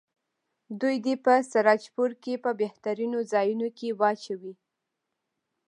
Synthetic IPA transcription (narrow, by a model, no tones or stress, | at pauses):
d̪ujd̪epəsaɾɑt͡ʃpuɾkepəbeht̪aɾinozɑjunokewɑt͡ʃawi